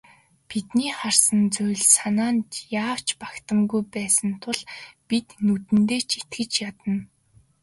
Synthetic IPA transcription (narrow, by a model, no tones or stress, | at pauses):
pit̪niːχarsə̆nt͡sʊjɮsanaːnt̪jaːw̥t͡ɕpakt̪ə̆mɡujpæːsə̆nt̪ʰʊɮ̥pit̪nut̪ɘ̆nt̪eːt͡ɕʰi̥t̪ɡɘ̆t͡ɕjat̪ə̆n